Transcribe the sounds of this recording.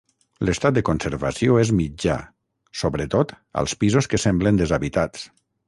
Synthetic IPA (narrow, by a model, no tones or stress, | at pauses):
ləst̪at̪̚d̪əkonsəɾβa̰sioezmid͡ʒa̰ | soβɾət̪ot̪ | ə̰lˠspizoskəsɛmblənd̪əzaβit̪at͡s